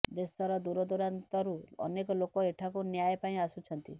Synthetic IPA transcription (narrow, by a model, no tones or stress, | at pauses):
d̪esɔɾɔd̪uɾɔd̪uɾant̪ɔɾuɔ̰nekɔlokɔeʈʰakunjajpaĩasut͡ʃʰɔnt̪ḭ